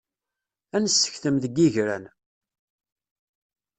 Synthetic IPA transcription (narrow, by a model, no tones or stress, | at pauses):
ænəsːə̥çθəmðəɡiʝɾæ̰n